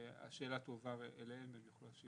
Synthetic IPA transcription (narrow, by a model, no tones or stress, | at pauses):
a̰ʃe̞ːlat̪ovaʁeleememjoχloʃi